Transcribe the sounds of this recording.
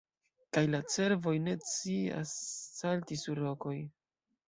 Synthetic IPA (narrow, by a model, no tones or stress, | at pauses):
kajlat͡se̞ɾvo̞jne̞t͡sia̰sːaltisuɾːo̞ko̞j